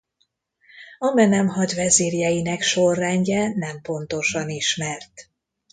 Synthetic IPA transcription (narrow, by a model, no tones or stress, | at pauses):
ɒmɛnɛmɦɒɟvɛziːrjɛjinɛkʃo̞rːɛɲɟɛnɛmpo̞nt̪o̞ʃɒniʃmɛrt̪